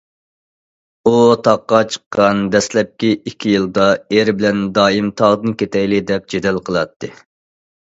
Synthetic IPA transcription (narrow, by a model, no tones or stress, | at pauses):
ut̪ʰɑqːɑt͡ʃʰə̥qːɑnd̪ɛslɛp̚kʲiikʲʰːijɨlˠd̪ɑeɾbɪlɛnd̪ɑːimt̪ʰɑʁd̪ɨnkʲʰet̪ʰɛjlɪd̪ɛp̚d͡ʒed̪ɛlqʰəlˠɑt̪ʰːɨ